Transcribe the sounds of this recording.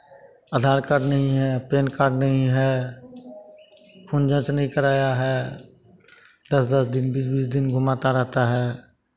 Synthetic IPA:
aːd̪ʱaːɾkaɾnəɦĩɦɛpeːnkaːɾɖnəɦĩɦɛː | kʰʊnd͡ʒə̃t͡ʃnəɦĩkəɾaːjaɦɛ | d̪əsd̪əsd̪ɪnbiːsbiːsd̪ɪnɡʱʊmaːt̪aɾɛɦt̪aɦɛː

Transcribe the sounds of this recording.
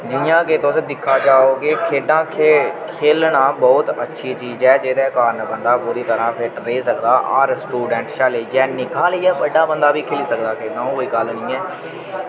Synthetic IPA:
d͡ʒɪjãːket̪ʊsẽːd̪ɪkʰːaːd͡ʒaːoːkekʰeːɖãːkʰekʰeːlnaːbɔːt̪ətːʃʰiːt͡ʃiːzɛːd͡ʒeːd̪ɛːkaːɾnbənd̪aːpuːɾiːt̪əɾãːpʰɪʈɾeːsəkd̪aːʔaːɾsʈuːɖɛ̃ɳʈʃaːleːd͡ʒɛːnɪkʰaːliːd͡ʒɛːbəɖãːbənd̪aːbiːkʰeːliːsəkd̪aːkʰeːɖãːõkoːiːɡəlnĩːɛː

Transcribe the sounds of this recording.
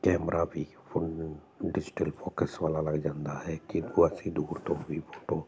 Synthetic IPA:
kɛmɾabʱi | pʰʊɳ | ɖɪd͡ʒi̥ʈəlpʰɔkəswalalaɡd͡ʒaːnd̪aɦɛkid̪uasid̪uːɾt̪ɔbʱipʰɔʈo

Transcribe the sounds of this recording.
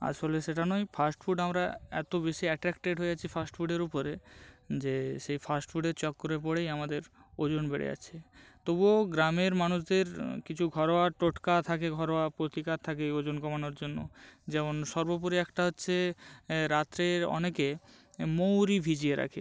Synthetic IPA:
a̰d͡ʑfoleʃeʈanɔjfʰasʈfʰuɖamɾaɛt̪obeʃiɛʈɾɛkʈeɖɦoeat͡ɕʰifʰasʈfuɖeɾopoɾed͡ʑeʃejfʰasʈfuɖeɾt͡ɕɔkːoɾep̬oɽejamad̪eɾ | od͡ʑonbeɽḛa̰t͡ɕʰet̪oboɡɾameɾmanuʃd̪eɾkit͡ɕʰuɡʱɔɾoaʈoʈkat̪ʰakeɡʱɔɾoapɾot̪ikaɾt̪ʰakeod͡ʑonkɔmanoɾd͡ʑonːo̰d͡ʑɛmonʃɔɾbopoɾiɛkʈaɦotːɕʰe | ɾat̪ːɾeɔ̰nekemowɾibʱid͡ʑieɾa̰kʰe

